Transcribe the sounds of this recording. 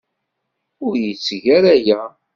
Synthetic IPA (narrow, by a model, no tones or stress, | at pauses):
ʊɾjət͡sːʝæɾæjæ